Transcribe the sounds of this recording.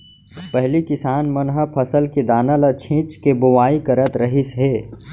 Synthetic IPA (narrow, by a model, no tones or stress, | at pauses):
pɛɦlikɪsaːnmɐnɦəpʰəsəlked̪aːnalat͡ʃʰĩt͡ʃkebʊʋaːikəɾət̪ɾɐɦisɦeː